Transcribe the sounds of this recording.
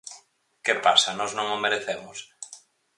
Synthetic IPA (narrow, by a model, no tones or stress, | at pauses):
kepasanɔznõŋomeɾeθemʊs